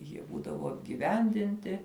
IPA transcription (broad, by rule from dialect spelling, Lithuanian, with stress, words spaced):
jiɛ ˈbuːdɐʋʊ ɐbʲɡʲɪˈʋʲɛnʲdʲɪnʲtʲɪ